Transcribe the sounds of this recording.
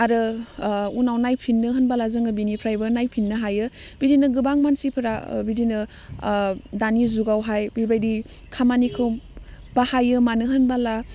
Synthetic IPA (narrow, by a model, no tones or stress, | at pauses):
aɾɯ | unawnajpʰinːɯɦɯnbalazɯŋɯbinipʰɾajbɯnajpʰinːɯɦajɯ | bidinɯɡɯbaŋmansipʰɯɾa̰bidinɯ | danizuɡawɦajbibajdi | kʰamanikʰɯwbahajɯmanɯɦɯnbala